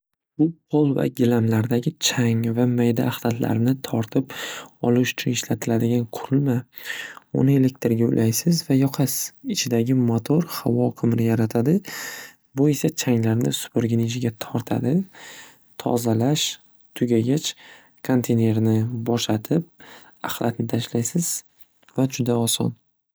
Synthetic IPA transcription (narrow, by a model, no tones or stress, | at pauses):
bʊqʰolˠva̰ɡʲɪlamlaɾd̪aɡʲɪt͡ʃʰaŋvamajd̪aːχlat̪ʰla̰ɾɪnɪt̪ʰɒɾt̪ʰɪpɒlˠʊʃʊ̥t͡ʃʰʊnɪʃlat̪ʰɪlad̪ɪɡʲanqʰʊɾɪlma | ʊ̰nɪe̞le̞k̚ʲt̪ɪɾɡʲaʊ̰lʔajsɪzvajɒqʰasɪt͡ʃʰɪd̪aɡʲɪmot̪ʰoɾhavɒqʰɨmɾɪjaɾat̪ʰad̪ɪ | bʊe̞sat͡ʃʰaŋlaɾnɪ̰sʊ̥pʊɾɡʲɪnid͡ʒɪɡʲat̪ʰɒɾt̪ʰa̰d̪ɪ | t̪ʰɒ̰zalaʃ | t̪ʰʊɡʲaɡʲat͡ʃ | kʰont̪ʰene̞ɾnɪbɒʃlat̪ʰɪp̚ | aχlˠat̪nɪt̪ʰaʃlajsɪz̥ | vad͡ʒʊd̪aɒsɒ̰n